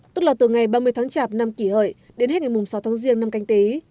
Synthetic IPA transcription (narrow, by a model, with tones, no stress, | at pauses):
t̪ə˦˥t̚laː˨˩t̪ɨ˨˩ŋa˨˩jɓaː˧mɨ˧əjt̪ʰːŋt͡ɕaː˧˩p̚na˧mki˧˩hə̰ː˧˨j | ɗe˨˦nh̚ŋa˨˩jmʊ˨˩ŋ͡msa˨˦wt̪ʰaː˨˦ŋzi˧ənːa˧mka˧jŋ̟t̪e˨˦